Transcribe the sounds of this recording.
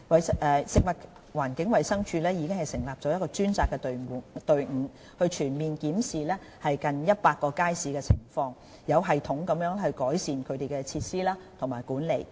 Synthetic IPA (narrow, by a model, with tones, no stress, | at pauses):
wɐ˨jʔɛ˨˧sɪ˨k̚mɐ˨t̚ | waː˨˩nkɪ˨˥ŋwɐ˨jsɐ˥ŋt͡ʃʰyː˧lɛː˥jiː˨˧kɪ˥ŋhɐ˨jsɪ˨˩ŋlaː˨p̚t͡sɔː˨˥jɐ˥t̚kɔː˧t͡ʃyː˥nt͡saː˨kːɛ˧t̪ːt̪ɵ˨ɥŋ̩ː˨˧ | hɵ˧t͡ʃʰyː˨˩nmiː˨nkiː˨˥msiː˨˩lɛː˥ | hɐ˨jkɐ˨njɐ˥t̚paː˧kːɔː˧kaː˥jsiː˨˧kɛ˧t͡sʰɪ˨˩ŋfɔː˧ŋ | jɐ˨˧wɦɐ˨jt̪ʰʊ˨˥ŋkɐ˨˥mjœː˨˥ŋ˥hɵ˨˧ɥkɔː˨˥jsiː˨nkʰɵ˨˧ɥt̪e˨jkɛ˧t͡sʰiː˧t̚siː˥laː˥t̪ʰʊ˨˩ŋmaː˨˩jkuː˨˥nle˨j